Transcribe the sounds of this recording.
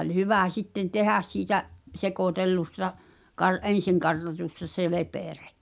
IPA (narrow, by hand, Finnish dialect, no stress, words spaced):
olʲ hyʋæ sitːen tehæs siːtæʔ sekoˑtelːustɑ kɑr ʔen̞siŋkɑrtɑtustɑ se lepeˑre